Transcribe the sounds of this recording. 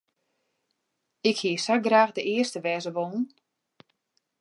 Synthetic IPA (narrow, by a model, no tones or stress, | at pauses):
ɪkhiəsaɡraːxdəʔɪəstəʋɛːzəʋɔnn̩